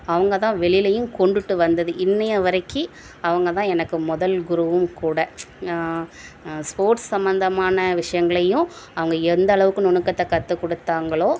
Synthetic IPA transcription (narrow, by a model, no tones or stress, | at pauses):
ɐʋɐŋɡɐt̪ãːʋɛɭɪlɐjɯ̃mkɔɳɖɯʈːɯʋɐnd̪ɐðɯʔɪnːɐjɐʋɐɾɐɪkːi | ɐʋɐŋɡɐt̪ãːɛnɐkːɯmʊðɐlɡʊɾɯʋɯmkuːɽɐ | spoːɾʈssɐmbɐnd̪ɐmaːnɐʋɪʂɐjɐŋɡɐɭɐjʊ̃ɐʋɐŋɡɐɛnd̪ɐːɭɐʋɯkːɯ̃nɔnɯkːɐt̪ːɐkɐt̪ːɯkːɔɽɯt̪ːaːŋɡɐɭoː